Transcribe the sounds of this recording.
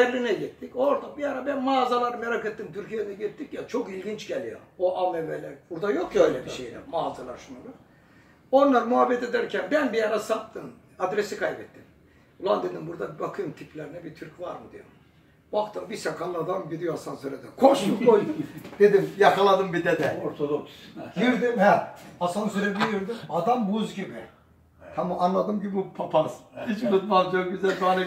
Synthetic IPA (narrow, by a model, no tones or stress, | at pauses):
jɛɾːinɛɟit̪ːico̞ɾd̪abijaɾabænmaːzalˠaɾɯmeɾaket̪ːimt̪ʰyɾcijeɾinɛɟit̪ːicjat͡ʃʰo̞kilʲɟint͡ʃɟɛlʲijo̰oʔalevɛɾlʲɛɾbuɾd̪ajokjøjlʲɛbiʃejlʲɛ̰maːzalˠa̰ɾʃunuɾu | o̞nlˠaɾmuɦabɛt̪ed̪æɾcʰænbænbijaɾasat̪t̪ʰːɯn | ad̪ɾesikʰajbɛt̪ʰːim | ulˠand̪ɯnd̪ɯnbuɾd̪abibakʰɯmt̪ʰipʰlʲeɾinɛbit̪ʰyɾcvaɾmɯd̪ijo̰m | baxt̪ʰɯmbisakʰanlːˠad̪amɟid̪ijoasansøɾɛd̪ɛkʰoʃbukojd̪e̞d̪imjakʰalˠad̪ɯmbid̪ɛd̪ɛoɾt̪ʰod̪oksjiɾd̪imhɛasansøɾɛbijiɾd̪imad̪ambuzɡibi | t̪ʰamɯʔanlˠad̪ɯmɟibbipʰapʰasit͡ʃbut̪malˠd͡ʒak̚ɟyzælʲbanɛ